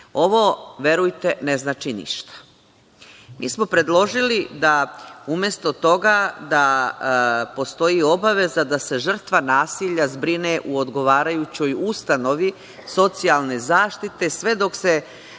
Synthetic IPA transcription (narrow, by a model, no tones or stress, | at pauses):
o̞ʋoʋe̞ɾujt̪e̞neznaːt͡ʃinḭʃt̪ḁ | mḭːsmo̞pɾe̞d̪lˠo̞ʒilid̪aumje̞st̪o̞t̪o̞ɡad̪a | po̞st̪o̞jio̞baʋe̞zad̪ase̞ʒr̩t̪ʋanaːsiʎazbɾineʔuod̪ɡo̞ʋaːɾajut͡ɕo̞just̪ano̞ʋi | so̞t̪sialˠne̞zaːʃt̪it̪e̞sʋe̞d̪o̞kse